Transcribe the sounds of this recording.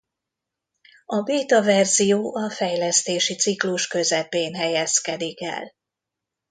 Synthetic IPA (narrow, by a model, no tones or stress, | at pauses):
ɒbeːt̪ɒvɛrzijoːʔɒfɛjlɛst̪eːʃit̪sikluʃkø̞zɛpeːnɦɛjɛskɛd̪ikɛ̰l